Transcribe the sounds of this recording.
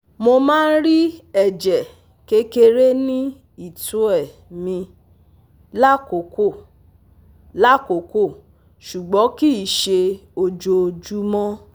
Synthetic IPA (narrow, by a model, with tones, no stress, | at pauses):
mo˧mãː˦n̩˦ɾi˦ɛ˦˨d͡ʒɛ˨ | ke˦ke˧ɾe˦nĩ˦ | i˦˨tũ˨˦ɛ˦˨ | mĩ˧ | la˦˨ko˨ko˦˨ | la˦˨ko˨ko˦˨ | ʃu˨ɡ͡bɔ̃˨˦ki˦i˨ʃe˧o˧d͡ʒo˧d͡ʒu˦mɔ̃˦